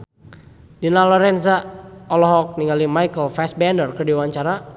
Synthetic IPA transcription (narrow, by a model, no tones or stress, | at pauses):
dinalɔɾɛnsaɔlɔɦɔk̚niŋalimajkəlfɛsbɛndərkərdiwaɲt͡ʃaɾa